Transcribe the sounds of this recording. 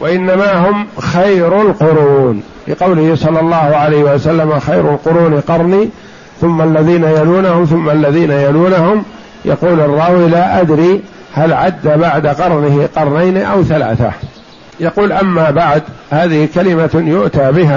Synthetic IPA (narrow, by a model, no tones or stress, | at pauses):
wʔaʔɪnːamaɦʊmxajɾʊlqʊɾuːn | lɪqɑwlɪhɪsˤɑlːɑlˤːɑːhʊʕalajhɪwasalːamaxajɾalqʊɾuːnqɑɾˤniː | θʊmːalːaðiːnajaluːnahʊmθʊmːalːaðiːnajaluːnahʊm | jɑ̰quːlɑrˤːɑːwilaːʔad̪ɾiː | halʕad̪ːabaʕd̪aqɑɾˤnɪhɪqɑɾˤnajnʔawθala̰ːθa̰ | jɑquːlʔamːaːbaʕd̪haːðɪhɪkalɪmajʊʔt̪aːbɪɦa